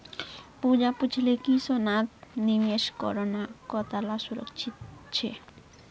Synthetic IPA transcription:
pud͡ʑaput͡ɕʰlekisonat̪nimeʃkɔ̰ɾonakɔt̪alasuɾo̰kt͡ɕʰit̪t͡ɕʰe

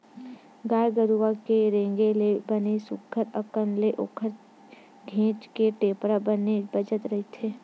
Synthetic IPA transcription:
ɡaːjɡəɾuʋakeɾẽːŋɡelebənesʊkʰːəɾəkənleʔoːkʰəɾ | ɡʱẽːt͡ʃkeʈeːpɾabənebəd͡ʒət̪ɾɐɦit̪ʰeː

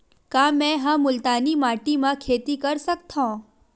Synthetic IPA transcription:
kãmɛ̃ɦãmʊlt̪aːnimaːʈimãkʰeːt̪ikəɾsək̚t̪ʰõː

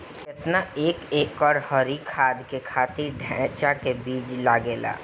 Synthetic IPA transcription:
et̪naeːkeːkɔɾhɔɾikʰaːd̪ʱkekʰaːt̪iɾɖʱɛ̃t͡ʃakebiːd͡ʒlaːɡeːla̰ː

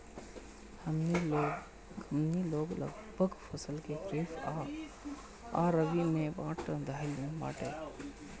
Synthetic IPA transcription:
əmniloːɡlə̰ɡbʱəɡfɐsəlkekɾiːfaː | aːɾəɡimẽbãːʈə̃d̪ʱaːjlĩba̰ːʈeː

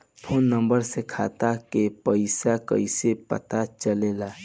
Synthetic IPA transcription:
pʰoːnːə̃mbəɾsekʰa̰ːt̪akepəɪsakə̰ɪsepə̰t̪at͡ʃəlelaː

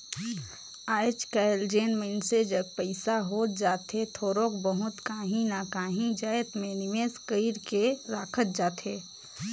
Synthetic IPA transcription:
aːjt͡ʃkaeld͡ʒeːnmənsed͡ʒəɡ̚pəɪsaɦoːt̪̚d͡ʒaːt̪ɦet̪ʰoːɾõkbəɦʊt̪kaːɦĩnakaːɦĩd͡ʒaːjt̪mẽnɪmeːskəiɾkeɾaːkʰət̪̚d͡ʒaːt̪ɦeː

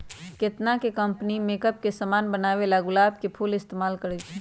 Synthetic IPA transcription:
kɪt̪nakekə̃mpnimeːkəp̚kesɐmaːnbənaːʋelaɡʊlaːbkepʰuːlɪst̪eːmaːlkəɾɛt͡ʃʰ

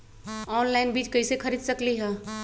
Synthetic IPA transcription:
ɔːnlaːɪnbiːt͡ʃkɐisexʰɐɾiːd̪sɐkliɦɛ̃ː

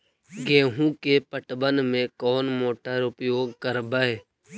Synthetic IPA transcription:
ɡẽːɦũkepəʈbənmẽkɔːnmoːʈəɾʊpjoːɡkəɾbəeː

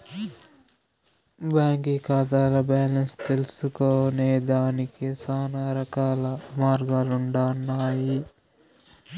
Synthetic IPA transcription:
baːŋkikaːd̪aːlɐbaːlɐnst̪e̞lusukoːneːd̪aːnikisaːnaɾɐkaːlɐmaːɾɡaːluɳɖaːnːaːji

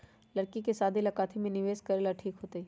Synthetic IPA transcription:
lɐɾkikesaːd̪ʱilɐkaːt̪ʰimẽnɪʋeːskɐɾeːlaʈʰiːkɦoːt̪iː

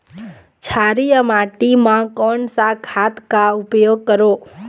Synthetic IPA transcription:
t͡ʃʰaɾijəmaːʈimãkɔːɳsakʰat̪kaʊpjoːɡ̚kəɾoː

